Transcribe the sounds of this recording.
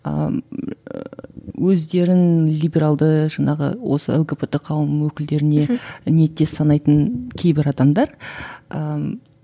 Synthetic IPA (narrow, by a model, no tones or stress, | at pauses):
ə̰ | wɵzd̪e̞ɾɪnlʲijbʲe̞ɾalˠd̪əʒɑɴɑʁə̰wo̞̰sə̰elˠɡepet̪ɪqʰɑwəmwɵkʲɪld̪e̞ɾɪne̞ne̞t̪ːe̞sɑnɑjt̪ənkʲʰe̞jbɪɾɑd̪ɑmd̪ɑɾə